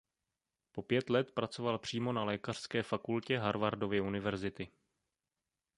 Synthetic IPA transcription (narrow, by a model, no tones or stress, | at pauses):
po̞pjɛt̪lɛt̪pɾat͡so̞valpr̝̥iːmo̞nalɛːkar̥skɛːfakulcɛɦaɾvaɾdo̞vjɛunɪvɛɾzɪt̪ɪ